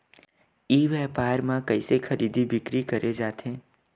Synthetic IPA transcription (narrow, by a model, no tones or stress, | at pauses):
iːʋɛːpaːɾmãkəisekʰəɾʔiːd̪ʱibɪkɾikəɾʔed͡ʒaːt̪ʰẽː